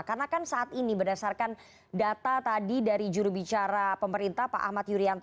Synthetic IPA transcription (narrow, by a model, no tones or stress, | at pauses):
karnakansaʔat̪inibərdasarkan | dat̪at̪adidaɾid͡ʒuɾubit͡ʃaɾapəməɾint̪ahpa̰ʔa̰hmat̪̚juɾiant̪